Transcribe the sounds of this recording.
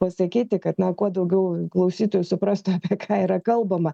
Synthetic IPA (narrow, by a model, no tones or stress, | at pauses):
pɐsɐkʲiːt̪ʲɪkɐt̪nɐkuɔd̪ɐʊɡʲɛʊklˠɐʊsʲiːt̪oːjʊsʊpɾɑst̪ʊɐpʲiɛkʰɑːiːɾɐkɐlˠbɐmɐ